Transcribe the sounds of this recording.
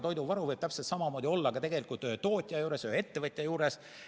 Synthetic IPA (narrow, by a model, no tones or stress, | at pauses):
t̪o̞jd̪uvɑɾuvɤjb̥̚t̪æpselt̪sɑmɑmo̞ːd̪io̞lːɑɡɑt̪e̞ɡe̞likult̪øt̪o̞ːt̪ʲˑjɑjuːɾe̞sjøe̞t̪ːe̞vɤt̪ʲˑjɑjuːɾe̞s